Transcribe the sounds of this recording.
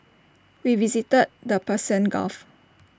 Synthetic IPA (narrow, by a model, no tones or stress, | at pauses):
wivizitəd̚dəpəsə̃nɡɔ̰f